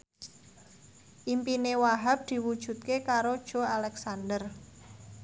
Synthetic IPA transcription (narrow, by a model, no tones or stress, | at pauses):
ʔimpinewaɦap̚d̪̥i̤wud̥ʒ̥ṳt̪̚kekaɾod̥ʒ̥o̤alɛksandər